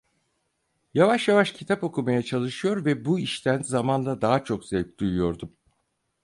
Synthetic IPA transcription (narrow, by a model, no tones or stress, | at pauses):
javaʃjavaʃcʰit̪ʰapo̞kʰumajat͡ʃʰalˠɯʃɯjo̞ɾvɛbuiʃt̪ʰænzamand̪ˠad̪aɦat͡ʃʰo̞kz̥ɛlʲc̚d̪̥ujujo̞ɾd̪um